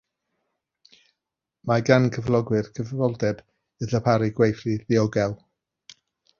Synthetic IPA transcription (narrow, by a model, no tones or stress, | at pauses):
maɡankʰəvlˠɔɡwɨrkʰəvvɔlˠdɛd | ɨðəpʰaɾiɡwejθriðɪɔɡɛlˠ